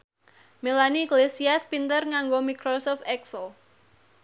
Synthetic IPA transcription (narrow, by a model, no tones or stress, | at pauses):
melaniɡlesiaspint̪ərŋaŋɡomikɾosɔft̪ɛksəl